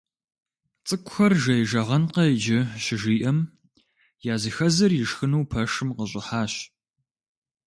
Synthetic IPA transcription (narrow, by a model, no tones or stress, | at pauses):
t͡sʼɨkʷʼʊxɐrʒɐjɪʒɐʁɐnqɐɪd͡ʒɪɕɪʒiːʔɐm | jaːzixɐzɐrjɪʂxɨnuwpʰɐʂɨmqəɕʼɪħaːɕ